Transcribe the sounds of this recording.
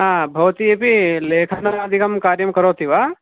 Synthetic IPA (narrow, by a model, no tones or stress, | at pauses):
ɦãːbʱɐʋt̪iepileːkʰɐnaɐd̪ʱikɐmkaːɾjɐmkɐɾoːt̪ʰiʋaː